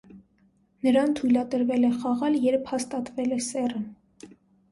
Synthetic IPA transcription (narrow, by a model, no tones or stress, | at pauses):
nəɾɑnt̪ʰujlɑt̪əɾvɛlɛχɑʁɑljɛɾpʰhɑst̪ɑt̪vɛlɛsɛrən